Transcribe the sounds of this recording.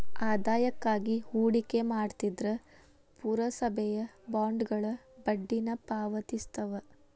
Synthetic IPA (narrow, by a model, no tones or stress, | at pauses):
aːd̪aːjɐkːaːɡihuːɽike̞maːɖt̪id̪ɾɐ | puːɾɐsɐbʱɛjɐbaːɳɖɡɐɭɐ | bɐɖːinɐpaːʋɐt̪ist̪ɐʋɐ